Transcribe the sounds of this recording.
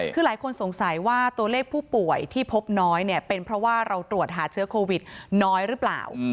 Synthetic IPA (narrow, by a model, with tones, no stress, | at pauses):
kʰɯː˧laː˩˦jkʰo˧nso˩˦ŋsa˩˦jwaː˥˩t̪u˧ɐleː˥˩k̚pʰuː˥˩pu˨˩əjt̪ʰiː˥˩pʰo˦˥p̚nɔː˦˥jni˥˩ɐpe˧npʰɾɔ˦˥waː˥˩ɾa˧wt̪ɾu˨˩ət̪̚ɦaː˩˦t͡ɕʰɯ˦˥ɐkʰoː˧wi˨˩t̪̚nɔː˦˥jɾɯː˦˥pla̰ː˨˩w